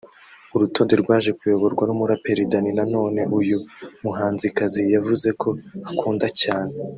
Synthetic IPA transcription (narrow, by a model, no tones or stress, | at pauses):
uɾuto̞ːndeɾɡwaːʒe̞kwioβo̞ɾɡwanumuɾape̞ɾidaninano̞ːne̞ʔujumuɦaːnzikazijavuze̞kʰo̞akʰuːndacaːne